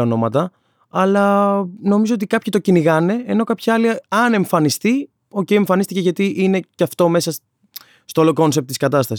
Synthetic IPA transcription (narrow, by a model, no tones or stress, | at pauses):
ono̞mɐt̪ɐ | ɐlɐno̞mizo̞ot̪ikɐpçit̪o̞ciniɣɐne̞eno̞kɐpçɐɐliɐne̞ɱfɐnist̪i | o̞ce̞ieɱfɐnist̪iceʝɐt̪iʔine̞cɐft̪o̞me̞sɐs | st̪oloko̞nsep̚t̪iskɐt̪ɐst̪ɐs